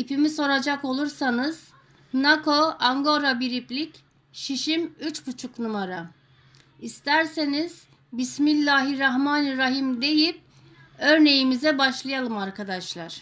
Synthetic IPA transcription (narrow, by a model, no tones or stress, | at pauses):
ipimiso̞ɾad͡ʒako̞lˠuɾsanɯz̥ | nakʰo̞aŋɡo̞ɾabiɾiplʲic | ʃiʃimyt͡ʃbut͡ʃʰuknumaɾa | ist̪ʰæɾse̞niz̥ | bismilʲːaɦiɾaɦmaːniɾaɦimd̪e̞jip̚ | ø̞ɾne̞jimizɛbaʃlˠɯjalˠɯmaɾkʰad̪aʃlˠaɾ̥